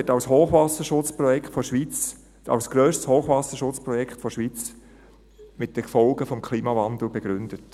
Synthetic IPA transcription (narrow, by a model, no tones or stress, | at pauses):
ɛtɑʊshoːχʋɑsəʃʊt͡spɾɔjɛktfɔʃʋiːt͡s | ɑ̰ʊsɡ̥ɾøːʃtshoːχʋɑsəʃʊt͡spɾɔjɛkχtfɔʃʋiːt͡s | mɪt̚d̥əkfɔlɡəfɔmkʰliːmɑvɑnd̪l̩beɡ̥ɾʏndət